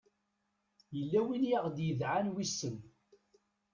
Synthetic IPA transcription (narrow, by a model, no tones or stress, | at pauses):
jəlːæwinjaʁd̪jəðʕanwisːəm